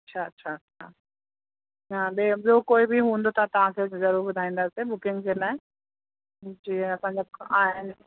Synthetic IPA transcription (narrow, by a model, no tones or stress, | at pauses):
ɐtːɕʰaɐtːɕʰaɐtːʃʰa̰ | ãɓeɓɪokoːibʱiɦũːnd̪ot̪ʰat̪ɐʋ̤ãkʰezɐɾuːɾbʊd̪ʱaːĩːn̆d̪aːsibʊkɪ̃ŋɡd͡ʑelaːɪ | d͡ʑiːɦeɐsãɲd͡ʑaaːɦɪnɪ